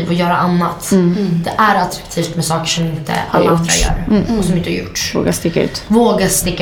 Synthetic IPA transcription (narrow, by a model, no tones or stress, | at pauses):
vɔjœːɾaʔanːat̪d̪̥ɛʔæɾat̪ɾḁkt̪ʰiːft̪mɛsɑːkəʂɔmɪnt̪ə̰a̰lːaand̪ɾa̰jœ̰ːɾɔsɔmɪnt̪əhaɾjʊ̰ʈːvo̰ːɡast̪ɪkːaʉ̟ːt̪voːɡast̪ɪkːa